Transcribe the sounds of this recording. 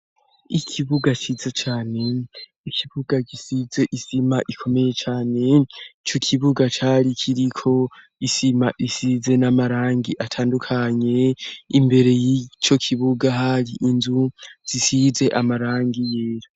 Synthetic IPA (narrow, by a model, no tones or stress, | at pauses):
ikʰiβuɡat͡ʃizet͡ʃaːne̞ | ikʰiβuɡaɡisize̞ʔisimaʔikʰo̞me̞je̞t͡ʃaːne̞t͡ʃo̞kʰiβuɡat͡ʃaɾikʰiɾikʰo̞ | isimaʔisize̞namaɾaːŋɡiʔatʰaːndukʰaɲe̞imbe̞ɾe̞jit͡ʃo̞kʰiβuɡaɦaɾiʔinzuz̥isize̞ʔamaɾaːŋɡijeːɾa